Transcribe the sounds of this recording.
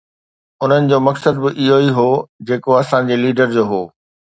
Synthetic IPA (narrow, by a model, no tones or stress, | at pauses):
ʊn̤ənɪ̆d͡ʑoːmɐksəd̪̚bɪʔɪɦoiɦoːd͡ʑeːkoɐsãd͡ʑeːliːɖəɾd͡ʑoːɦoː